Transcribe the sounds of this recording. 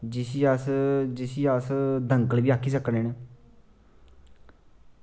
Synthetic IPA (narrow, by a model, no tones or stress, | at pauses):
d͡ʒɪsiːəsd͡ʒɪsiːəsd̪əŋkəlʋiːaːkʰːiːsəkneːne